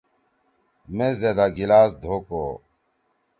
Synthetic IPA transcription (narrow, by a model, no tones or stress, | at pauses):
mẽzed̪aɡilaːsd̪ʱoːkoː